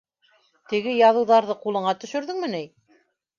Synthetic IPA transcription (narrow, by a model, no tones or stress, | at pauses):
t̪ɘ̆ɡɘjɑðɤ̆wðɑɾðɤqulˠɤ̆ɴɑt̪ɵ̆ʃɵ̆ɾðɘŋmɘnæj